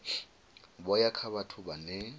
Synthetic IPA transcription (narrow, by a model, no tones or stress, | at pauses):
bɔjakʰabatʰʊbanɛ